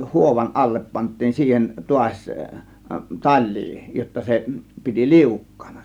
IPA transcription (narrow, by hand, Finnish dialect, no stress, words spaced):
huoʋɑn ɑlːep pɑntˑiːn siːhen tuɑsʲ tɑlːiː jotːɑ se piti liukːɑ̥ːn̥ɑ̥